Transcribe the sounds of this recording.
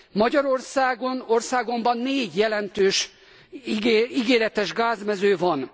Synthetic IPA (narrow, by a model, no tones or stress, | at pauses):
mɒɟɒɾo̞rsaːɡo̞no̞rsaːɡo̞mbɒnːeːɟjɛlɛnt̪øːʃ | iɡeːɾɛt̪ɛʒɡaːzmɛzøːvɒn